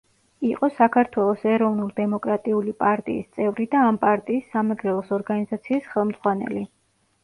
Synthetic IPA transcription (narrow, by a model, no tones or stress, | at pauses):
iqʼɔsakʰaɾt̪ʰwɛlˠɔsɛɾɔvnulid̪ɛmɔkʼɾat̪ʼiulipʼaɾt̪ʼḭːst̪sʼɛvɾid̪aːmpʼaɾt̪ʼiːsːamaɡɾɛlˠɔsɔɾɡanizat̪sʰiːsχɛlˠmd̪z̥ʁwanɛ̰li